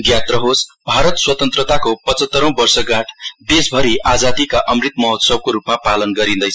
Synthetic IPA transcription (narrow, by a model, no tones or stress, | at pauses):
ɡjat̪rʌɦosbʱaɾʌt̪swʌt̪ʌnt̪rʌt̪akopʌt͡sʌt̪ːʌɾõw̃bʌrsʌɡãʈʰd̪esbʱʌɾiʔad͡zad̪ikaʔʌmrit̪mʌɦʌt̪sʌb̚koɾupmapalʌnɡʌɾĩnd̪ʌjʰ